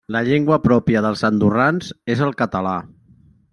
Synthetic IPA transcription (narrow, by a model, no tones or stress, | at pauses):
ləʎeŋɡwəpɾɔpiəðəlˠzənd̪uranzezəlˠkət̪əla